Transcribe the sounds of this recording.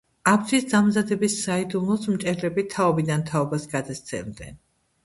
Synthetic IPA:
ap̪̚ʰsʰisd̪amzad̪ɛbisːaid̪umlˠɔsmt͡ʃʼɛɾlɛbit̪ʰaɔbid̪ant̪ʰaɔbasɡad̪ast̪sʰɛ̰md̪nɛ̰n

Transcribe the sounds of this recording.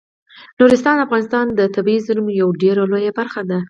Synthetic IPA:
noɾɪst̪ɑnafɣɑnɪst̪ɑnd̪ət̪abizʊlmjawɖeɾalojabaɾxad̪a

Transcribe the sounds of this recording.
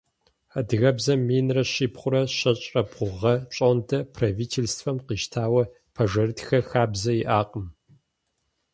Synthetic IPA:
adɨɣɐbzɐmːiːnrɐɕiːpχʷʊɾɐɕɐɕʼrɐbʁʷʊʁɐt͡ʃʼondʰɐpʰraviːtʰelstfɐmqiːʃtʰaːwɐ | pʰɐʒɐrdxɐxaːbzɐjɪʔaːqʼəm

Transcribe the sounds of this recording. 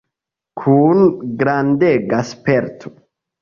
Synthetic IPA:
kʰunɡɾandeɡaspeɾtʰo̥

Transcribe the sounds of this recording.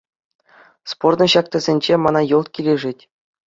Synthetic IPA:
spord̪ɤ̆nɕɑk̚t̪ʲɘ̆zʲenʲd͡ʑemɑnɑjulˠt̪̚kʲilʲeʐɘtʲ

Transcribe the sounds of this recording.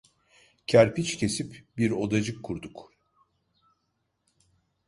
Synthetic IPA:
cʰæɾpit͡ʃcʰe̞sipbiɾo̞d̪ad͡ʒɯkʰːuɾd̪uk

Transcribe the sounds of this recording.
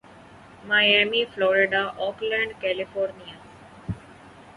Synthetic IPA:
majɛːmiflɔːɾɪɖaʔɔːklɛ̃ɳɖkɛːlɪfɔːɾnija

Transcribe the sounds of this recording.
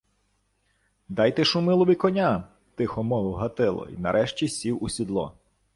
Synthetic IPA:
d̪ɑjt̪ɛʃʊmɪlˠɔʋʲikɔnʲa | t̪ɪxɔmɔɦʊwɦɐt̪ɪlˠɔ̰ḭnɐ̰ɾʔɛʃt͡ʃʲisʲiwusʲid̪lˠɔ̰

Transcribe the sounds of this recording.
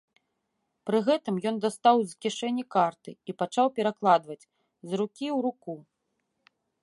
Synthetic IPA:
pɾɨɣɛt̪ɨmjɔnd̪ast̪awzkʲiʂɛnʲːikart̪ɨipat͡ʂawpʲɛɾaklˠad̪vɐt͡sʲ | zrukʲiwɾuku

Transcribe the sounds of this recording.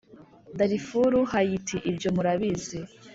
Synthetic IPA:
daɾifuɾuhajitʰiʔibɟo̞muɾaβize

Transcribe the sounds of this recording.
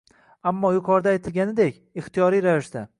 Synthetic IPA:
amːɒjʊqʰɒɾd̪aːjt̪ʰɪlɡʲanɪd̪ekʲɪχt̪ʰijɒɾijɾavɪʃd̪a

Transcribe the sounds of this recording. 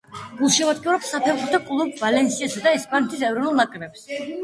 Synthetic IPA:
ɡulˠʃɛmad̪ɡʼiuɾɔpsapʰɛlˠʰʼut̪ʰakʼulˠɔbvalɛnsiasad̪aɛspʼanɛt̪ʰisɛvɾɔnulˠnakʼɾɛps

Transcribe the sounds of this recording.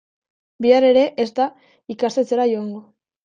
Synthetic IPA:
biaɾe̞ɾe̞ʔest̪a | ikast̪et͡seɾaʝo̞aŋɡo̞

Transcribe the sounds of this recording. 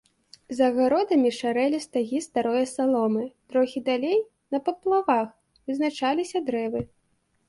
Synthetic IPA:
zɐɣaɾɔd̪ɐmʲiʂaɾɛlʲist̪aɣʲist̪aɾɔjɐsalˠɔmɨt̪ɾɔxʲid̪alʲej | nɐpɐplˠavax | vɨznat͡ʂalʲisʲɐd̪ɾɛvɨ

